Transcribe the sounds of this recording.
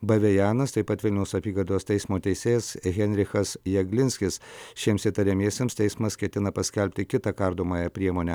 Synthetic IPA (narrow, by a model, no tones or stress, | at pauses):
bɐʋʲɛjæːnɐst̪ɐɪpɐt̪ʋʲɪlʲnʲɛʊsɐpʲiːɡɐd̪oːst̪ʲɛɪsmoːt̪ʲɛɪsʲeːjɛsɣʲɛnʲɾʲɪxɐsjɛɡlʲɪnʲsʲkʲɪsʃʲiɛmsit̪ɐɾʲɛmʲiɛsʲeːmst̪ʲɛɪsmɐskʲɛt̪ʲɪnɐpɐsʲkʲɛlʲpʲt̪ʲɪkʲɪt̪ɐkɐɾd̪oːmɐːjɛpʲɾʲiɛmoːnʲɛ